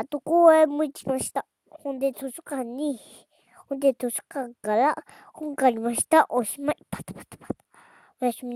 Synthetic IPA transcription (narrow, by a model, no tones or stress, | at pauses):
at̪ukuemũt͡ʃi̥mãʃi̥t̪a | hund̪et͡s̪ʰuʂukanĩhi | hũnd̪et̪ʰuʂu̥kakalaʔ | huŋɡanĩmãʃi̥t̪aʔoʃimãʔipat̪ḁpḁt̪ḁpḁt̪a | βʃimĩ